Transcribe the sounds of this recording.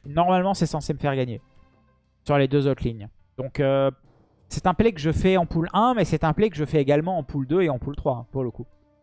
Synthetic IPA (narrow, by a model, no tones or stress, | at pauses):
nɔʁmalmɑ̃sɛsɑ̃seməfɛʁɡaɲe | syʁled̪øzot̪liɲ | d̪̥ɔ̃kø | sɛt̪ɛ̃plɛkəʒəfɛɑ̃pulɛ̃mɛsɛt̪ɛ̃plɛkəʒəfɛeɡalmɑ̃ɑ̃puld̪øeɑ̃pult̪χwaɛ̃puʁləku